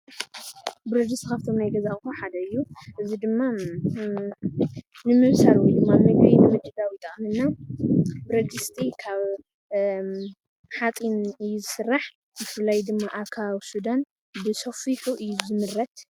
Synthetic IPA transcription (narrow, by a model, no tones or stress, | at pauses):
bɨɾɐd̪ɨst̪ʰkʰaβt̪ʰo̞mnajɡɐzaxʼxoħad̪ɐɨjːuʔɨzid̪ɨmːa | nɨmɨβsaɾwjd̪ɨmːamɨɡʔinɨmɨd͡ʒ̪ɨd̪awit̪ʼɐχʼnɨnːa | bɨɾɐd̪ɨst̪ʼikʰaβ | ħat̪ʼinɨjːuzɨsɨrːaħ | zɨfɨlːajd̪ɨmːaʔakʰaβsud̪an | bɨsofiħuʔɨjːuzɨmɨrːɐt̪